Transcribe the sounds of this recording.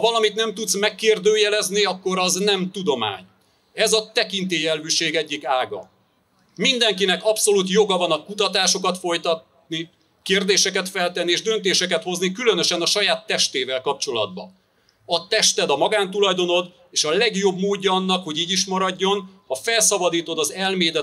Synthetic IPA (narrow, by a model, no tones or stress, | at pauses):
hɒvɒlɒmit̪nɛmt̪ut̪smɛkːeːrd̪øːjɛlɛzniɒkːo̞ɾɒznɛmt̪ud̪o̞ma̰ːɲ | ɛzɒt̪ɛkint̪eːjɛløːʃeːɡɛɟːikaːɡɒ̰ | mind̪ɛŋkinɛkɒpso̞lut̪̬jo̞ɡɒvɒnɒkut̪ɒt̪aːʃo̞kɒt̪fo̞jt̪ɒt̪ | ni | keːrd̪eːʃɛkɛt̪fɛlt̪ɛnːieːʒd̪ø̞nt̪eːʃɛkɛt̪ho̞znikylø̞nø̞ʃɛnɒʃɒjaːt̪ːɛʃt̪eːvɛlkɒp̚t͡ʃo̞lɒ̰d̪̚bɒ̰ | ɒt̪ɛʃt̪ɛd̪ɒmɒɡaːnt̪̬ulɒjd̪o̞no̞d̪ | eːʃɒlɛɡjo̞bmoːɟːɒɒnːɒkho̞ɟiːɟiʃmɒɾɒɟːo̞nhɒfɛlsɒbɒd̪iːt̪o̞d̪ɒzɛlmeːd̪ɛ